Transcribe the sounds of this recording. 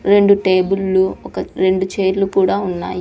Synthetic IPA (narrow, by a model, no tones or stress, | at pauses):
ɾe̞ɳɖuʈeːbulːuɔkɐɾe̞ɳɖut͡ʃeːɾlukuːɽaːunːa̰ːj